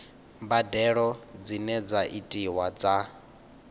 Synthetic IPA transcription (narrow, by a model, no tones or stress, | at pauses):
badɛɺɔd͡zinɛd͡zaʔitʼiwad͡za